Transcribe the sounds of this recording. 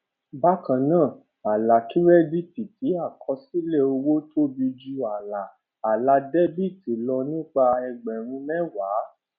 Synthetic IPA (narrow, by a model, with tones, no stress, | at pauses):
ba˦kã˨nãː˦˨ | a˨la˨ki˦ɾɛ˦bi˦˨ti˨ti˨˦a˦˨kʰɔ˧˦si˦le˦o˧wo˦to˦bi˧d͡ʒu˧a˨la˨ | a˨la˨˧dɛ˦bi˦˨ti˨lɔ˧nĩ˦k͡pa˧ɛ˧ɡ͡bɛ˨ɾ̃ũ˧˦mɛ̃˦waː˨˦